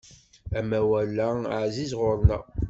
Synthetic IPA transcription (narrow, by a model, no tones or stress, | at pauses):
æmæwælːæʕzizʁʊɾˤnæ